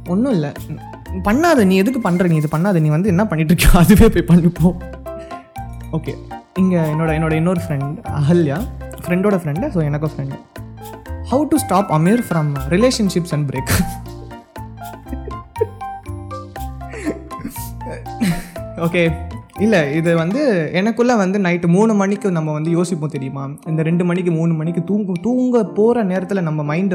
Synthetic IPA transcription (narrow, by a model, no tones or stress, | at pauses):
ɔnːɯ̃ɪlːɐ | pɐɳːaːðɐnĩːɛðɯkːɯpɐɳːɾɐ̃nĩːɛðɯpɐɳːaːðɐniːʋɐnd̪ɯɛnːapɐɳːɪʈ̬ːɾɯkːjãːɐðɯʋeːpoːjpɐɳːɪpːoː | oːkḛːɪŋɡɐɛnːoːɽɐɛnːoːɽɐɪnːoːɾɯfɾɛɳɖɐ̰ɦɐljaːfɾɛɳɖoːɽɐfɾɛɳɖsoːɛnɐkːõfɾɛɳɖ | hɐʊʈusʈaːpɐmiːɾfɾɐmɾɪleːʂɐnʂɪpsɛ̃nbɾeːk | oːkeːɪlːɐɪðɐʋɐnd̪ɯɛnɐkːɯlːãʋɐnd̪ɯnɐɪʈːɯmuːɳɯmɐɳɪkʲːɯnɐmːɐʋɐnd̪ɯjoːsɪpːõːt̪ɛɾɪjɯmaːɪnd̪ɐɾɛɳɖɯmɐɳːɪk̬ːɯmuːɳːɯmɐɳɪk̬ːɯ̃t̪uːŋɡɯt̪uːŋɡɐpoːɾɐneːɾɐt̪ːɪlnɐmːɐmɐɪnɖ